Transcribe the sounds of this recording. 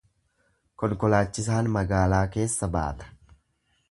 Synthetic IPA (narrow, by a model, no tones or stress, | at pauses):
kɔŋkɔlaːt͡ʃːɪs̬aːnmɐɡaːlaːke̞ːsːɐba̰ːt̪ɐ̥